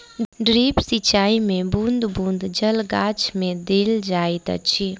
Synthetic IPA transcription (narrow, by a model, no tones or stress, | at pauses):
ɖɾiːpsit͡ʃaːimẽbũnd̪bũnd̪d͡ʒəlɡaːt͡ʃmẽd̪eːld͡ʒaːit̪ə̰t͡ʃʰi